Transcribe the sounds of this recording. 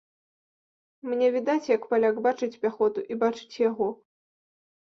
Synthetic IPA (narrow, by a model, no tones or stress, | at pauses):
mnʲɛvʲid̪at͡sʲjɐkpalʲaɡbat͡ʂɨt͡sʲpʲaxɔt̪uʔibat͡ʂɨ̥t͡sʲjaɣɔ